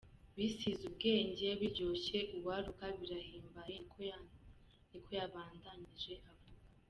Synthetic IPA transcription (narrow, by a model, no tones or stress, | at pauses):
βisizubɡe̞ːɲɟe̞βiɾɟo̞ɕe̞ʔuβwaːɾukaβiɾahiːmbajeko | nikʰo̞jaβaːndaɲiʒe̞haβua